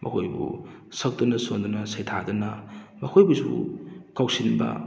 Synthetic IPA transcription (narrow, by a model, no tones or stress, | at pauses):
mʔɐ̰kʰojbṵsɐk̚t̪unɐsond̪unɐsejtʰad̪unɐmɐkʰojbusṵkawsinbɐ̰